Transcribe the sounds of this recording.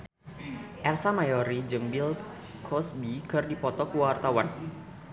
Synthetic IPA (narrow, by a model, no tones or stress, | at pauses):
ʔɛrsamajɔɾid͡ʒəŋbil | kʰɔsbikɨrdipɔt̪ɔkuwaart̪awan